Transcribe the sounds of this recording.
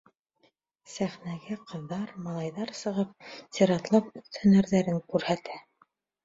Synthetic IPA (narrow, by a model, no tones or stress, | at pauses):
sæχnæɡæqɤ̆ðːɑɾmɑlˠɑjðɑɾsɤ̆ʁɤp̚t̪ʲeɾɑt̪lˠɑpɵθt̪æ̆næɾðæɾɘŋkʉɾhæt̪æ